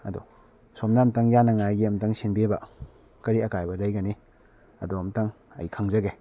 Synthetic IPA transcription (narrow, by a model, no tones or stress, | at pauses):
ɐ̰dṵ | somnamtɐŋjanɐŋajɡiɐmtɐŋsinbebɐ | kɐɾiɐkajbɐlɐjɡɐni | ɐ̰doɐmtɐŋ | ɐ̰jkʰaŋzɐɡe